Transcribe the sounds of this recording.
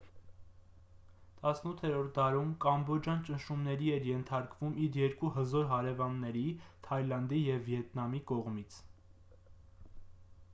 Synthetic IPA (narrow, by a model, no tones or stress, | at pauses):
t̪ɑsnut̪ʰːɛɾɔɾt̪̚d̪ɑɾumkɑmbɔd͡ʒjɑnt͡ʃənʃumnɛɾiɛɾjɛnt̪ʰɑɾkvumiɾjɛɾkuhəzɔɾɦɑɾɛvɑnːɛɾit̪ʰɑjlɑnd̪ijɛvːjɛt̪nɑmikɔʁmit͡sʰ